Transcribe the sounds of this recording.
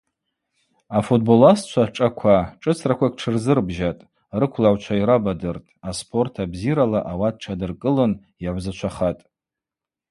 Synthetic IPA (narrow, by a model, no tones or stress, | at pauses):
afut̚bo̞last͡ʃʷʰaʈ͡ʂʼakʷʰaʈ͡ʂʼɨt͡sʰrakʷʰakʰʼʈ͡ʂʰɨrzɨrbʒatʼ | rɨkʷʰlaʕʷt͡ʃʷʰaiɾabadɨrtʼaspʰo̞rtʰabziɾalaʔawad̚ʈ͡ʂʰadɨrkʼɨlɨn | jaʕʷzat͡ʃʷʰaχatʼ